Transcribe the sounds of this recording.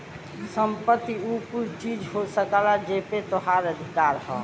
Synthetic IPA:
səmpət̪ːiukuɾt͡ʃid͡ʒɦosəkalad͡ʒepet̪oɦaɾəd̪ʱikaɾhə̰̃

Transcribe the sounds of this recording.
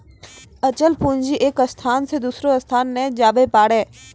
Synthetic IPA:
ət͡ʃəlpuːɲd͡ʒiʔeːkəst̪ʰaːnsed̪uːsɾoɐst̪ʰaːnːɛ̃d͡ʒaːbepaːɽɛ̃ː

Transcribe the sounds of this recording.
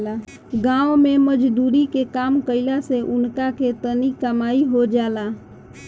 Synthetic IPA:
la | ɡãomeməd͡ʒd̪uɾikekamkəɪlaseʔunkaket̪ənikəmaiɦod͡ʒala

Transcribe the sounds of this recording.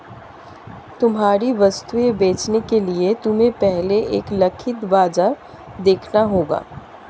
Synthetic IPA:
t̪ʊmɦaːɾiʋɐst̪uebeːt͡ʃnekeliet̪ʊmẽpɛɦleʔeːklɐkʰɪt̪ʋaːd͡ʒa | d̪eːkʰnaɦoːɡa̰ː

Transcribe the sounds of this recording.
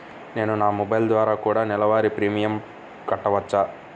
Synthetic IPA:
ne̞ːnunaːmɔbɐjld̪ʋaːɾaːkuːɽaːnɛlɐʋaːɾipɾiːmijɐm | kɐʈːɐʋɐt͡ʃːaː

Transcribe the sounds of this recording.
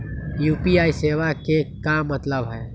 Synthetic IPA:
juːpiaiseʋakekamːət̪ləbɦɛ

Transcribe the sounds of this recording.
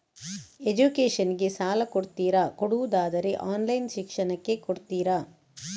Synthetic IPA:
ed͡ʒukeːʂɐniɡe̞saːlɐkoɽt̪iːɾɐkoɽuʋud̪aːd̪ɐɾe̞ʔaːnlɐjnʃikʂɐnɐkːe̞koɽt̪iːɾɐ

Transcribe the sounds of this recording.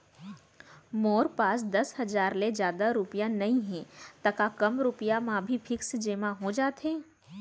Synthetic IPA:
moːɾpaːs̬d̪ɐsɦɐzaːɾled͡ʒjaːd̪aɾʊpijãnɐɦĩɦɛ̃t̪ɐkakɐmɾʊpijamãbʱifʰɪksd͡ʒeːmãɦod͡ʒaːt̪ɦẽː

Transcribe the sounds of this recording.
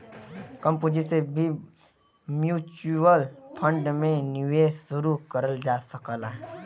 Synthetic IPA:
kə̃mpoːd͡ʒisebʱi | mjuːt͡ʃuəlpʰə̃ɳɖmẽnɪʋeːssʊɾukəɾəld͡ʒaːsəkəlaɦ

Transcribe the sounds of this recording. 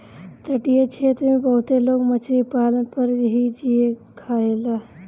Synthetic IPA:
t̪əʈijat͡ʃʰeːt̪ɾmẽbɐɦʊt̪eloːɡmət͡ʃʰɾipaːlənpəɾɦid͡ʒiekʰaːeːlaː

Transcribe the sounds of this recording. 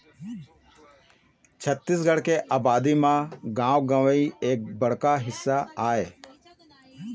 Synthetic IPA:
t͡ʃʰət̪ːɪs̬ɡəɽkeːʔaːbaːd̪iːmãːɡãːʋɡəʋəiːeːk̚bəɽ̤kaːɦɪsːaːaːeː

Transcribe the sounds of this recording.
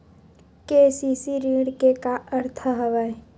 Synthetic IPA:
keːsisiɾiːɽkekaəɾt̪ʰəɦɐʋae

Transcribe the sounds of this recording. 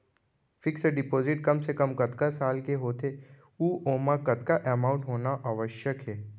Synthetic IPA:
fɪkseɖɪpoːzɪʈ̚kɐmsekɐmkɐt̪kasaːlkeɦoːt̪ʰe | uːʔoːmãkɐt̪kaʔɛːmãːʊ̃ɳʈɦoːnaʔaʋəʃjəkɦɛː

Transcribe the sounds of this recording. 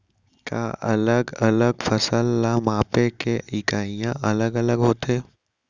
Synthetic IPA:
ka̰ːʔɐləɡɐləɡfəsəlːamaːpekeɪkaːijãʔɐləɡələɡɦoːt̪ɦeː

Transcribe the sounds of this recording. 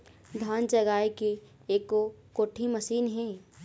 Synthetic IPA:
d̪ʱaːnt͡ʃɐɡaːeke | eːkokoːʈʰimɐsiːnɦɛ̃ː

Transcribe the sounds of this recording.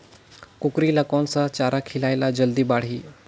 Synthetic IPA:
kukɾiːləkonsat͡ɕaɾakʰilajlad͡ʑəld̪iːbaɽ̤iː

